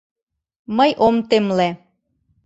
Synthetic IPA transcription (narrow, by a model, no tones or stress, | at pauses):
məjʔomt̪emle